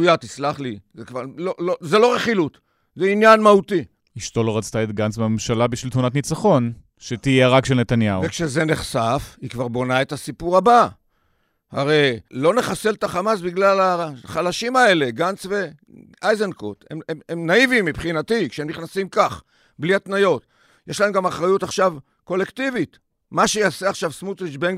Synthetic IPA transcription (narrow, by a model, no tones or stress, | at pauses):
ujat̪islaχlizekvaʁlolozelo̞ʁeχilut̪ | zeinjanmaut̪i | iʃt̪o̞loʁat͡st̪aet̪ɡansmeamemʃalabiʃvilt̪munat̪nit͡saχo̞n | ʃet̪ijeʁakʃelnet̪anjauvekʃezeneχsafhikvaʁbo̞nae̞tasipuʁaba | ha̰ʁe̞jlo̞ne̞χaseltaχamasbiɡlalaχalaʃimae̞le̞ɡant͡sve̞ | ʔajzenkot̪ḛmeemnaivimːipχinatikʃeemniχnasimkaχ | bliat̪najo̞t̪ | jeʃlaemɡamaχʁajut̪aχʃav | ko̞le̞kt̪ivit | maʃejaːseaχʃavsmut̪ʁiʃbeŋɡ